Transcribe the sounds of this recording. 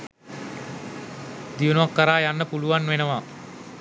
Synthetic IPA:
d̪iunuʋakːəɾaːjanːəpuluʋanʋenəʋa

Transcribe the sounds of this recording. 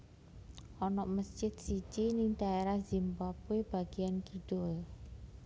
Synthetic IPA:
ʔɔnɔʔməsd͡ʒɪt̪̚sit͡ʃinɪŋt̪aeɾahzimbapueb̥aɡ̥iankid̥ʊl

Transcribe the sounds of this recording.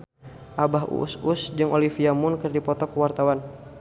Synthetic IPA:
ʔabaɦṵsusd͡ʒɨŋʔolifiamʊnkərdipɔt̪ɔkəwart̪awan

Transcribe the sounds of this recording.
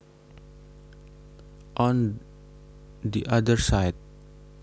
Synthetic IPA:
ʔɔ̃n | diʔadəɹsajd̚

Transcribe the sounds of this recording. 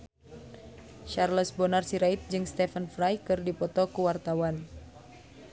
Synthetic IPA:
ʃarləsbɔnarsiɾait̪̚d͡ʒɨŋst̪ɛfənfɾajkɨrdipɔt̪ɔkuwart̪awan

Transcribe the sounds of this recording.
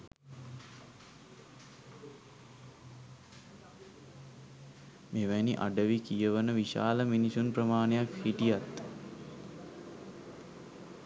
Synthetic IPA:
meːʋæniʔa̰ɖəʋikijəʋənəʋiʃa̰ːləminisunprəmaːnejakhiʈijat̪ː

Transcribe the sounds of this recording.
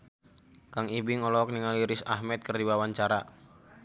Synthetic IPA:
kaŋibɪŋɔlɔk̚niŋaliɾɪsahmɛt̪̚kərdiwawaɲt͡ʃaɾa

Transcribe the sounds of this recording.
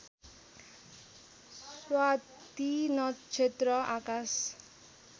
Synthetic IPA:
swa | t̪inɔt͡ʃʰet̪ɾɔʔakas

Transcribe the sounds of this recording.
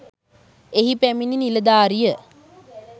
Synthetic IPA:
eɦipæmininiləd̪aːɾijə

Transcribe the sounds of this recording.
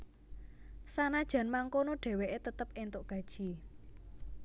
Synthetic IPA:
sanad̥ʒ̥ä̤nmaŋkonoɖ̥ɛ̤weʔet̪ət̪əp̚ent̪oʔɡ̥ä̤d̥ʒ̥i

